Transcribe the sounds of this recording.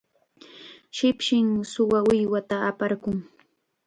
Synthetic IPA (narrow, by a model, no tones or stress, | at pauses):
ʃɪpʃɪŋsʊwaʊjwat̪aːpaɾkʊŋ